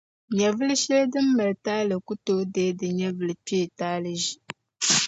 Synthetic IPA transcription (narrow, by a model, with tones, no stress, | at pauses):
ɲɛ˨vɨ˦lɨ˦ʃɛ˦ldɨ˦mːa˨lɨ˨taː˦lɨ˨ku˦to˦deː˦dɨ˨ɲɛ˦vɨ˨lɨ˨pe˦˨taː˦lɨ˨ʒi˨